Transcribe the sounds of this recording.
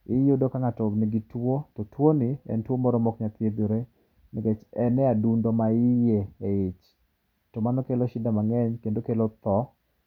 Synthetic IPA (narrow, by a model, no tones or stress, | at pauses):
ɪjodokaŋatɔnɪɡitwotɔtwoniɛ̰ntwomɔɾɔmɔkɲat̪ed̪oɾe | niɡet͡ʃɛnɛadundomaɪjeeɪt͡ʃ | tɔmanɔkelɔʃɪdamaŋɛɲkendokelɔt̪ɔ